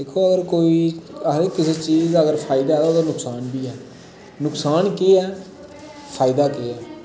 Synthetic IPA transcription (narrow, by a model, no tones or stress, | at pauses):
d̪eːkʰoːəɡəɾkoːiːəɾeːkɪseːt͡ʃiːzəɡəɾpʰaːɪd̪aːɛːt̪oːt̪oːnʊksaːnbiːɛː | nʊksaːnkeːɛː | pʰaːɪd̪aːkeːɛː